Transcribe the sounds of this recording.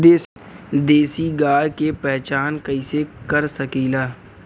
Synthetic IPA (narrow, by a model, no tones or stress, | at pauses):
d̪eː | d̪eːsiɡaːɽkepɛɦt͡ʃaːnkɐĩsekəɾsəkiːlaː